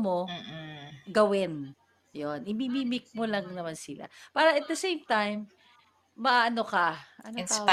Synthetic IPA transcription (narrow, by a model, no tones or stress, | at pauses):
mo | ɡɐwɪn | jonʔɪmimiːmɪk̚molɐŋnɐmansɪla̰paːɾɐʔɐt̪̚d̪ɐsejmt̪ajmː | ɐʔɐnokɐʔɐno